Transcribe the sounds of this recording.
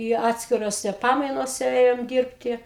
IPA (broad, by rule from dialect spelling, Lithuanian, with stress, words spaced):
ɪ ˈɑːtʲsʲkʲɪroːsʲɛ ˈpɑːmɐɪnoːsʲɛ ˈeːjoːm ˈdʲiːrʲpʲtʲɪ